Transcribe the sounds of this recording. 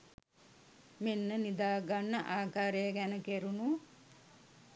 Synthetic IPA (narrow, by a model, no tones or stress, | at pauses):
menːənid̪aːɡanːəʔaːkaːɾejəɡænəkeɾunu